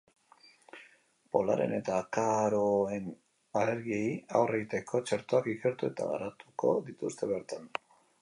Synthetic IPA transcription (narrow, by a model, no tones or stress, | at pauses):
po̞la̰ɾe̞̰ne̞t̪aːkaɾo̞e̞n | ale̞ɾɣiejawrʔeɣit̪e̞kʰo̞t͡ʃeɾt̪o̞akikeɾt̪ue̞t̪a̰ɣa̰ɾat̪uko̞̰ðit̪ust̪e̞βe̞ɾt̪an